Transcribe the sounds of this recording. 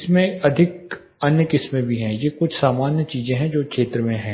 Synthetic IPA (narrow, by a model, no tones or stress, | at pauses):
ɪsmẽɐd̪ʱɪk̚ | ɐnjəkɪsmẽbʱiɦɛ̃ːjekʊt͡ʃʰsaːmaːnjət͡ʃiːzẽɦɛ̃d͡ʒoːkʃeːt̪ɾəmẽɦɛ̃ː